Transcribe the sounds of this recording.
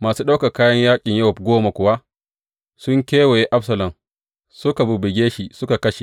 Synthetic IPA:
maː˨suː˦ɗa˦kɐ˨kaː˦jɐ˦ɲjaː˦kʲʼɪ˨ɲjɐ˦wbɡʷoː˦ma˨kʷʊ˨wa˦ʔ | sʊ˦ŋkʲeː˦we˨je˦ʔa˦ɸsɐ˨lɐ˨m | sʊ˦ka˨bʊ˨bɪ˨ɡʲeː˦ʃi˨sʊ˦ka˨kɐ˦ʃe˨

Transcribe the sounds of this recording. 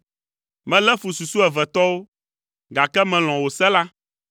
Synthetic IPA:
mɛ̃˨lɛ˦fu˨su˨su˦ɛ˨vɛ˨t̪ɔ˦wo˦ | ɡa˨kɛ˦mɛ̃˨l̃ɔ̃˨wo˨sɛ˦la˦

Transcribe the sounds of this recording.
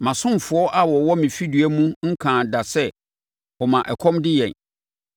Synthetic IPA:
mã˨sʊ̃˦m˨fʊ˨ɔ˦ʔa˦wɔ˨wɔ˦mɪ̃˨fi˦dɥæ˦mũ˦ŋ̩˦kʰãː˨da˨sɛ˦ | ɔ˨mã˨ʔɛ˨kʰɔ̃˦mdɪ˦jɛ̰̃˨n

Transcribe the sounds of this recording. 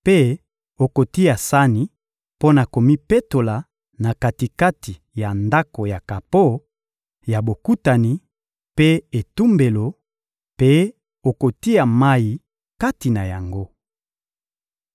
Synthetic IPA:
pe˦ | o˨ko˨ti˦a˨sa˦ni˨ | po˦na˨ko˨mi˦pe˦to˨la˨ | na˨ka˨ti˨ka˦tʰi˨ | ja˨nda˦ko˨ja˨ka˨po˦ | ja˨bo˨ku˦ta˨ni˨ | pe˦e˨tu˦mbe˨lo˨ | pe˦ | o˨ko˨ti˦ja˨ma˦i˨ | ka˦ti˨na˨ja˨ŋɡo˦

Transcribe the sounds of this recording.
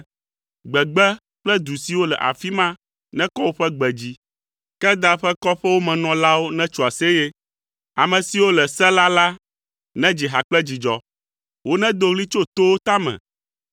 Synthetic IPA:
ɡ͡bɛ˨ɡ͡bɛ˦ | k͡plɛ˦d̪u˨si˨wo˦lɛ̰˨ʔa̰˨fi˦mã˦ | nɛ̃˦kɔ˦wo˦ɸɛ˦ɡ͡bɛ˨d͡ʑi˦ | kɛ˦d̪a˦ɸɛ˦kɔ˦ɸɛ˦wo˦mɛ̃˨nɔ̃˨la˦wo˦nɛ̃˦t͡ʃu˨a˨se˦je˦ | a˨mɛ̃˨si˨wo˦lɛ˨sɛ˦la˦la˦ | nɛ̃˦d͡ʑi˨ɦa˨k͡plɛ˦d͡ʑi˨d͡ʒɔ˨ | wo˦nɛ̃˦d̪o˨ɦli˦t͡ʃo˦t̪o˦wo˦t̪a˦mɛ̰̃˨

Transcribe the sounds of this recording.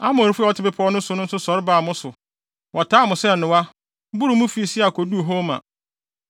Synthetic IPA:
a˦mʊ̃˨ɾi˨fu˦˨ɔ˨˦tʰɪ˨bɪ˦pʰɔ˦nʊ̃˦sʊ˨nʊ̃˦n̩˦sʊ˦sɔ˨˦ɾɪ˦baː˨mʊ̃˦sʊ˨ | wʔɔ˨tʰaː˦mʊ̃˨sɛ˦˨nʊ̃˨wa˦ | bu˦ɾu˦mʊ̃˦fi˨˦i˨si˦a˨kʰɔ˨du˦˨ɦo˦mã̰˨

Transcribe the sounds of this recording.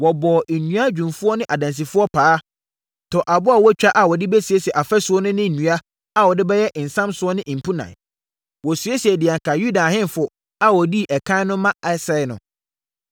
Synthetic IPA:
wɔ˨bɔː˨n˨nũ˨a˦d͡ʑᶣũ˨mfʊ˦ɔ˦nɪ̃˦ʔa˨dã˨ns̬i˨fʊ˦ɔ˦pʰaː˨˦ | tʰɔ˨ʔa˨bʊ˦a˨wɔ˦t͡ɕᶣa˦ʔa˨wɔ˨dɪ˦bɛ˦si˨e˦sɛ˨ʔa˨fɛ˦sʊ˨˦ɔ˦nʊ̃˦nɪ̃˦n̩˨nũ˨a˦ | a˦˨wɔ˨dɪ˦bɛ˦jɛ˦ʔn̩˨sã˦msʊ˨˦ɔ˦nɪ̃˦ʔm̩˨pʰũ˦nã̰˨ | wɔ˨sɥe˦si˨ɛ˨dɪ˨a˨ŋ˨kʰa˨ju˦da˨hɪ̃˦m˨fʊ˨ | a˨wɔ˨di˦ʔɛ˨kʰã˦nʊ̃˦mã˦ɛ˦sɛ˦ɪ˦nʊ̃˨

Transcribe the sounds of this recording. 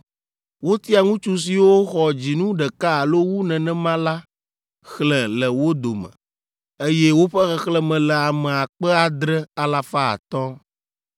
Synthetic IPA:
wo˦t̪i˦a˨ŋũ˦t͡ʃu˦s̬i˨wo˦xɔ˨d͡ʑi˨nũ˦ɖɛ˨ka˦a˨lo˦wu˦nɛ̃˨nɛ̃˦mã˦la˦ | xlɛ̃˨lɛ˨wo˦d̪o˨mɛ̰̃˨ | e˦jɛ˦wo˦ɸɛ˦xɛ˨xlɛ˦mɛ̃˨lɛ˨a˨mɛ̃˨a˨k͡pɛ˦a˨d̪ɾɛ˦a˨la˨fa˦a̰˨t̪ɔ˦

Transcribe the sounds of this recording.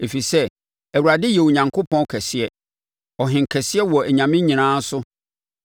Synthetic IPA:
e˨fi˨sɛ˦ | æ˨wu˨ɾa˨dɪ˦jɛ˨wo˨ɲã˨ŋkʰo˦pʰɔ̃˦kʰɛ˨sɪ˦ɛ˦ | ɔ˨ɦɪ̃˨ŋ̩˨kʰɛ˨sɪ˦ɛ˦wɔ˨æ˨ɲã˨mɪ̃˦ɲĩ˨ñãː˦sʊ˦

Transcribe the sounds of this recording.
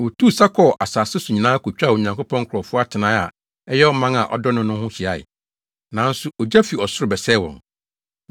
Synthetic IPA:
wɔ˨tʰu˦˨sa˦kʰɔ˨ʔa˨saː˨sɪ˦sʊ˨ɲĩ˨nãː˦kɔ˨t͡ɕᶣa˦˨wo˨ɲã˨ŋko˦pʰɔ̃˦ŋkʰɔ˨fʊ˦a˦tʰɪ˨nãː˦a̰˨ | ɛ˦jɛ˦ɔ˦mã˦ŋa˨ʔɔ̰˦dɔ˦nʊ̃˦nʊ̃˦hʊ̃˦si˨a˨ɪ̰˨ | nã˨˦n̩˦sʊ˦ɔ˨d͡ʑɛ˦fi˨ɔ˨sʊ˦ɾɪ˨bɛ˨sɛː˦˨wɔ̰̃˨n

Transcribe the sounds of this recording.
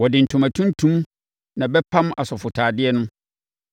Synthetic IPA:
wɔ˨dɪ˨n̩˨tʰʊ̃˨mã˨tʰũ˦n˦tʰũ˦m | nã˨bɛ˦pʰã˦ma˨sɔ˨fʊ˨tʰaː˨dɪ˦ɛ˦nʊ̃˦

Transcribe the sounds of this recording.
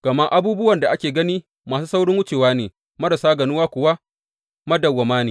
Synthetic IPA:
ɡ̥ɐ˨ma˦ʔa˦buː˦bʊ˦wɐ˨nda˨ʔa˦kʲeː˨ɡɐ˦niː˦ | maː˨s̬uː˦sa˦wɽɪ˦ŋwʊ˦t͡ʃeː˨waː˦neː˨ | mɐ˦ɽɐ˨saː˦ɡɐ˨nʊ˦waː˦kʷʊ˨wa˦ | mɐ˦dɐ˨wːɐ˨maː˦neː˨

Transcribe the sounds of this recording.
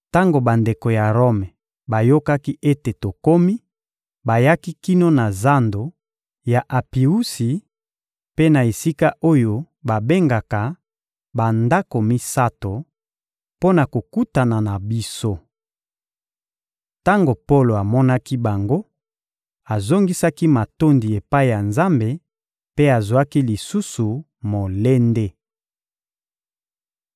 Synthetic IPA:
ta˦ŋɡo˨ba˨nde˨ko˨ja˨ʁo˦mɛ˨ | ba˨jo˦ka˦ki˦ʔe˦te˨to˨ko˦mi˦ | ba˨ja˦ki˦ki˦no˦na˨za˦ndo˨ | ja˨ʔa˨pi˨u˦si˨ | pe˦na˨e˨si˦ka˦ʔo˦jo˨ | ba˨be˦ŋɡa˨ka˨ | ba˨nda˦ko˨mi˦sa˦to˨ | po˦na˨ko˨ku˦ta˨na˨na˨bi˦so˦ | ta˦ŋɡo˨po˦lo˨a˨mɔ˦na˦ki˦ba˨ŋɡo˦ | a˨zo˦ŋɡi˦sa˦ki˦ma˨to˦ndi˨e˨pa˦i˨ja˨nza˦mbe˨ | pe˦a˨zu˨a˦ki˦li˨su˦su˨ | mo˨le˦nde˦

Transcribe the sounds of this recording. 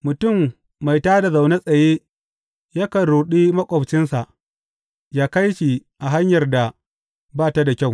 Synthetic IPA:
mʊ˨tʊ˦˨mː | a˨jtaː˦da˨za˨wne˦sʼɐ˨jeː˦ | ja˦kɐ˨ɾu˨ɗi˦mɐ˦kʷʼɔ˨bt͡ʃɪ˦nsa˨ʔ | jaː˦ka˦jʃi˨ʔa˨ɦa˦ɲjɐ˨rda˨ | baː˦˨ta˦da˨kʲa˦˨w

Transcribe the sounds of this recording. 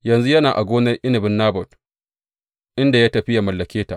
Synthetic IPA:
jɐ˨nzu˦jɐ˦naː˨ʔa˨ɡʷoː˦nɐ˦rʔɪ˦nɪ˨bɪ˦nːaː˦bɔ˨t̚ | ʔɪ˦nda˨jaː˦tɐ˨ɸɪ˦ja˨mɐ˨lːɐ˨kʲeː˦ta̰˨ʔ

